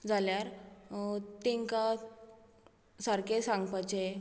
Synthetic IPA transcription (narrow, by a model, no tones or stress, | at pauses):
d͡zaljaɾ | t̪ẽŋka | saɾkesaŋɡpat͡ɕe